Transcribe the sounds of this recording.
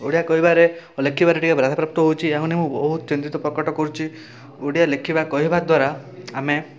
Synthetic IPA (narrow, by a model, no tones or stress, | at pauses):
oɽijakɔɦibaɾe | ɔlekʰibaɾeʈikabɾad̪ʱapɾap̚t̪ɔɦowt͡ʃʰiɦaɦũnemũbɔɦut̪ɔ̥t͡ʃind̪it̪ɔpɔkɔʈɔkɔɾut͡ʃʰi | oɽijalekʰibakɔɦibad̪waɾaame